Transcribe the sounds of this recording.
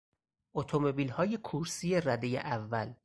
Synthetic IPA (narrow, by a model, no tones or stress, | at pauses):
ʔot̪ʰomo̞biːlhɒːje̞kʰuɾsije̞ræd̪ejḛʔævːæl